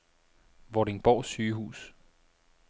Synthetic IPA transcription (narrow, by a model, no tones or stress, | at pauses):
ʋɒɾeŋb̥ɒ̰ːsyːɦṵːs